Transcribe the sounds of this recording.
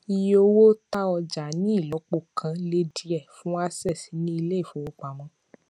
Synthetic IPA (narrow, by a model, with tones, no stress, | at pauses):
i˧jo˧wo˦ta˦ɔ˧d͡ʒa˨˦nĩ˦i˦˨lɔ˨˦k͡po˦˧˨kʰã˧˦le˦di˦ɛ˦˨fũ˦a˦sɛ˦˨si˨˦nĩ˦i˧le˦i˦˨fo˨˦wo˦k͡pa˨mɔ̃˧˦